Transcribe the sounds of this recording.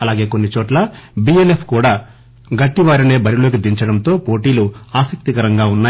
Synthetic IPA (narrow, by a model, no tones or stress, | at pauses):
ɐlaːɡe̞ːko̞nːit͡ʃɔːʈlɐbielepʰkuːɽaː | ɡɐʈːiʋaːɾine̞ːbɐɾilo̞ːk̬id̪iɲt͡ʃɐɽɐmt̪o̞ːpo̞ːʈiːluaːsɐk̚t̪ikɐɾɐŋɡaːunːaː